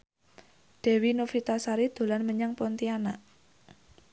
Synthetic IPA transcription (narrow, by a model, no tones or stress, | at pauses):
ɖ̪̥ɛ̤winofit̪asaɾid̪̥o̤lanməɲaŋpɔnt̪ianaʔ